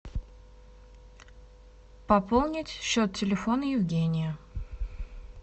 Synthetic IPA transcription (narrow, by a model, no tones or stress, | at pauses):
pɐpolˠnʲɪtʲɕːot̪tʲɪlʲɪfo̞nəjɪvɡʲenʲɪjə